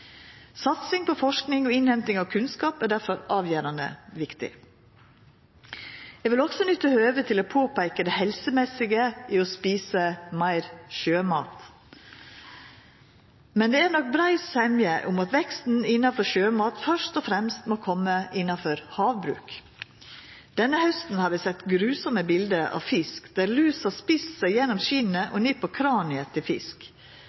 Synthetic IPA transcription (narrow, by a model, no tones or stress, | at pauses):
sɑt̪sɪŋpɔfɔʂknɪŋɔɪnhɛmt̪ɪŋɑʋkʰʉnskɑːpæːɖæɾfɔɾɑːʋjæːɾɑnə̰ʋɪkt̪ɪ̰ | jɛʋɪlɔksɔnʏt̪ːəhøːʋət̪ʰɪloːpʰoːpæɾkəd̪ɛhɛlsəmɛsɪɡəʔiɔspiːsəmæɪɾʃøːmɑ̰ːt̪ | mɛnd̪ɛːæːɾnɔk̚bɾæɪsɛmjəʔʊmɑt̪ʋɛkst̪n̩ɪnːɑfɔʃøːmɑːt̪fœʂt̪ɔfɾɛmst̪moːkʰɔməʔɪnːɑfɔɾhɑːʋbɾʉ̰ːk | d̪̥ɛnːəhœst̪n̩hɑːɾʋɪsɛt̪ːɡɾʉːsɔməbɪld̪əʔɑ̰ːʋfɪskd̪̥æɾlʉːsɑspiːssæɪjɛnɔmʃinəʔɔnipʰɔkʰɾɑːnɪət̪ʰɪlfɪ̰sk